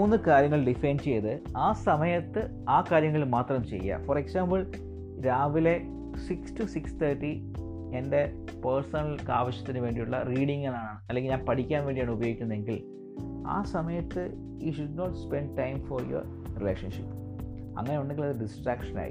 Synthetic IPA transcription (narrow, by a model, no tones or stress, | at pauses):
uːnːɨkaːɾjɐŋːɐɭɖifenɖt͡ɕe̞jːɐðɨaːsɐmɐjɐt̪ːɨ | aːkaːɾjɐŋːɐɭmaːt̪rɐmt͡ɕe̞̰jːɐ̰foɾeksaːmbɐɭ | ɾaːʋile̞ | sikstusikst̪ʰɐːʈːi | ende̞ | persɐnɐlka̰ːʋɐɕjɐ̥t̪ːinɨʋe̞ːɳɖijuɭːɐ̰riːɽiŋːɐɭaːɳaɳɨɐlːeŋɡilɲaːnpɐʈʰikʲːaːnʋeːɳɖijaːɳɨubɐjoːikʲːunːɐðe̞ŋɡil | a̰ːsɐmɐjɐt̪ːɨ | jṵʃuɖnoːʈspeɳɖ̚ʈɐjmforjo̰r | rḭlḛːkʂɐnʂipː | ɐ̰ŋːɐneuɳɖeŋɡilɐðɨɖisʈraːkʂɐna̰ːjḭ